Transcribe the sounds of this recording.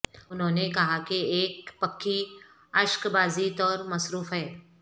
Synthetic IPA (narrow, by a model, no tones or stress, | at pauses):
ʊnɦõːnekɐɦakeeːkpɐkʰːi | ɐʃkbaːzit̪ɔːɾmɐsɾuːfɦɛː